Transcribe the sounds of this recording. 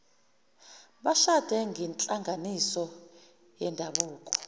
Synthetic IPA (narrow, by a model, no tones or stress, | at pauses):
ɓaʃad̥ʱɛŋʱɛnt͡ɬʼaŋɡʱanisɔ | jɛndʱaɓuːkʼɔ̥